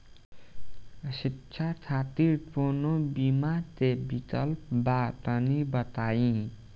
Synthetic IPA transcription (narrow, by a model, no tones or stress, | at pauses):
sitːt͡ʃʰat͡ʃʰat̪iɾʈponobimat̪ebikəlp̚baʈənibət̪ajĩ